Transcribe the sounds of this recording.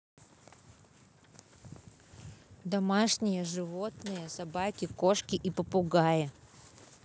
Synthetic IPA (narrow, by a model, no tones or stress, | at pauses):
d̪ɐmaʂnʲɪjəʐɨvo̞t̪nɨjəsɐbakʲɪko̞ʂkʲɪʔipəpʊɡajə